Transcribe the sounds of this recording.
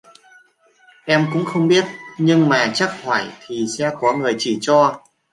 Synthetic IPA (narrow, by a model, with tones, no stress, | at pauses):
ʔɛ˧mkʊ̰˧˥ŋ͡mxə˧wŋ͡mɓi˦˥ət̚ɲɨ˧ŋmaː˨˩t͡ɕa˦˥k̚haː˧˩jt̪ʰi˨˩sɛ˧˥kɔ˨˦ŋɨ˨˩əjt͡ɕi˧˩t͡ɕɔ˧